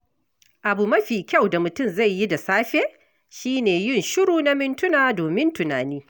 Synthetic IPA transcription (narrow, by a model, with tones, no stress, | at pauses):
ʔa˨bu˨mɐ˦ɸiː˨kʲa˦˨wda˨mʊ˨tʊ˦˨mza˦˨jjːi˦da˨saː˦ɸeː˦ | ʃiː˦neː˨jɪ˦˨nʃʊ˦ɽuː˨na˦mɪ˦ntʊ˦naː˨doː˨mɪ˦ntʊ˨na̰ː˨niː˦